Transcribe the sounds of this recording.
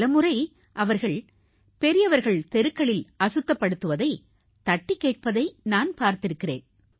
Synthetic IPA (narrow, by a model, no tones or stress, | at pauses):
lɐmɯrɐɪ | ʔɐʋɐɾɣɐɭ | pɛɾɪjɐʋɐɾɣɐɭt̪ɛɾɯkːɐɭɪlɐsɯt̪ːɐpːɐɽɯt̪ːɯʋɐðɐɪ | t̪ɐʈːikːeːʈ̚pɐðɐɪnaːnpaːɾt̪ɪɾɯkːɪrḛːn